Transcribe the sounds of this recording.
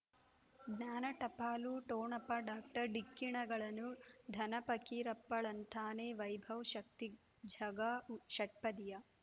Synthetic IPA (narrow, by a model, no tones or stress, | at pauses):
ɡnaːnɐʈɐpaːluʈoːɳɐpːɐɖaːk̚ʈɐɾɖikːiɳɐɡɐɭɐnud̪ʱɐnɐpɐkiːɾɐpːɐɭɐnt̪ʰaːneːʋɐjbʱɐʋʃɐk̚t̪i | d͡ʒʱɐɡɐʃɐʈ̚pɐd̪ijɐ